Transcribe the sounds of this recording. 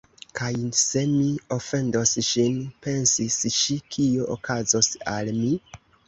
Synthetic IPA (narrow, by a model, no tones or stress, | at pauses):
kʰajse̞miofe̞ndo̞sʃinpe̞nsisʃikʰioʔo̰kʰazo̞sa̰lmi